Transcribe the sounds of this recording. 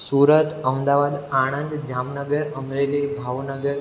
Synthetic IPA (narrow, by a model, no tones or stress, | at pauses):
suɾət̪əmd̪aʋad̪aɽ̃ənd̪d͡ʒamnəɡəɾəmɾelibʱaʋnəɡəɾ